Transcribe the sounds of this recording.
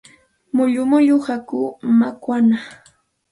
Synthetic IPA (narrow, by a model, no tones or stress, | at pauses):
mʊʎʊmʊʎʊhakuːmakwana